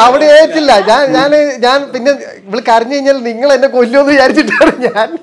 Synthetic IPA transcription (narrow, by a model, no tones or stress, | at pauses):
ɐʋiɽeeːɾitːilːɐɲaːnɲaːneɲaːnpinːe | iʋiɭikʲːɐriɲːɨkɐjiɲːaːlniŋːɐɭenːekolːuonːɨjaːɾit͡ɕːiʈːaːɽɨɲaːn